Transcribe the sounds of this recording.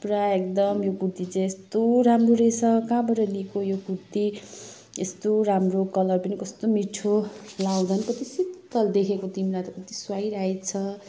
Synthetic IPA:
pɾaek̚d̪ʌmjokut̪it͡sʌ̃est̪oɾamroɾet͡sʰʌkãbʌɾʌlikojoɡuɾt̪i | est̪oɾamrokʌlʌrpʌnikʌst̪omiʈʰolawd̪ʱʌnkʌt̪isit̪t̪ʌld̪ekʰekot̪imɾat̪ʌkʌt̪iswajɾajt͡sʰʌ

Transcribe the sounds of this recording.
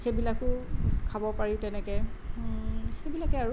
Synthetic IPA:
xebilakʊkʰabɔpaɹitɛnɛkɛ | xejbilakɛaɹu

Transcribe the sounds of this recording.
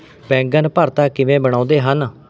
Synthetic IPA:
pɛ̃ːŋɡənpəɾt̪aːkɪʋẽːbəɽ̃ãːnd̪eːɦən

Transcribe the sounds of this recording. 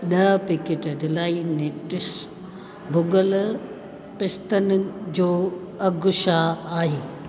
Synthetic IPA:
ɗɐpɪkɪʈɖɪlaːineːʈɪs | bʱʊɡəl | pɪst̪ənɪd͡ʑoː | ɐɡʊʃaaːɦeː

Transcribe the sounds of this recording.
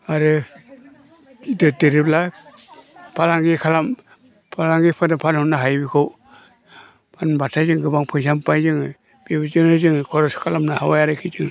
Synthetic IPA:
aɾɯ | dɯtɯɾipla | pʰalaŋɡikʰalam | pʰalaŋɡipʰɯnapʰanhɔnːaɦajbikʰɔw | pʰanbatʰajzɯŋɡɯbaŋpʰɯjs̬ʰampajzɯŋ | b̥ibizɯŋɾɯzɯŋkʰɔɾɔskʰalamnahawajaɾɯkʰizɯŋ

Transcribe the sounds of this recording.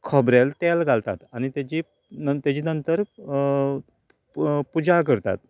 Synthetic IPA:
kʰɔbɾelt̪elɡalt̪a̰t̪añit̪jat͡ɕiː | t̪jat͡ɕiːnənt̪əɾ | pud͡ʑak̬əɾt̪a̰t̪̚

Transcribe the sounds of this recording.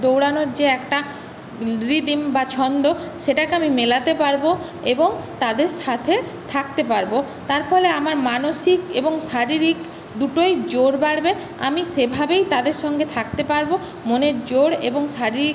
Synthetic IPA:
d̪owɽanoɾd͡ʑeɛkʈa | ɾid̪imbat͡ɕʰɔnd̪oʃeʈakeamimelat̪epaɾbo | eboŋt̪ad̪eɾʃat̪ʰe | t̪ʰak̚t̪epaɾbo | t̪aɾfɔleamaɾmanoʃikeboŋʃaɾiɾik | d̪uʈojd͡ʑoɽbaɽbe | a̰miʃebʱabejt̪ad̪eɾʃɔŋɡet̪ʰak̚t̪epaɾbo | moneɾd͡ʑoɽḛboŋʃaɾiɾi

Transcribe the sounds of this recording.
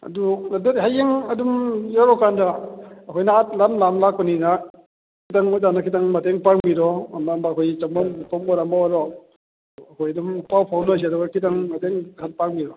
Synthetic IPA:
ɐ̰dunɐdɯt̚ɦajeŋɐdumjaɾɔkandaɐkʰɔjnaat̚lamlamlak̚ːɔnina | kʰitaŋɔzanakʰitaŋmɐteŋpaŋbiɾɔɐmambakʰojt͡ʃɐmbɔmpɔmbɔɾambawaɾɔ | ɐkʰojɐdumpawpʰawnɔs̬iɐduɡɐkʰitaŋmɐteŋkʰat̚paŋmiɾɔ

